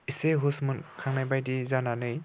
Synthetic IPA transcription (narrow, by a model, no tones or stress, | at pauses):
iseɦusmɯnkʰaŋnajbajdizananɯj